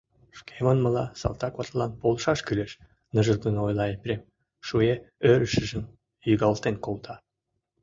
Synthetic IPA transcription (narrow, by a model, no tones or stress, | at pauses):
ʃkʰemənmə̆lɑ̰sɑ̰lt̪ɑkβɑt̪lɑnpolʃɑʃkyleʃ | nəʒə̆ld̪ənojlɑepʲrʲem | ʃueøɾəʃəʒə̆m | jyɣɑlt̪enkolt̪ʰɑ